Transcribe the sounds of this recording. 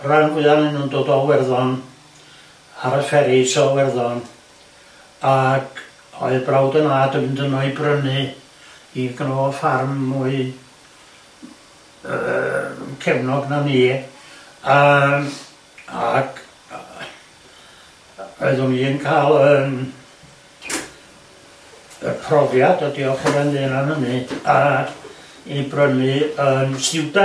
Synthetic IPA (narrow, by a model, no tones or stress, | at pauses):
ranɡwɪanɨnundoːdɔlwɛrðɔn | aɾəfɛɾisɔlwɛrðɔn | aɡ̥ | ɔ̰ɨbrawdənaːdəmndənɔɨbrənɨ | iɡənɔɔfarmːuɨ | kʰɛvnɔɡnaniː | a | aɡ | ɔɨðʊniːnkʰaːlˠən | ə̰rpʰrɔvjadɔdiɔχɔɾɛnðɨːnanhənɨ̥ḁ | ibrənɨənsɪwda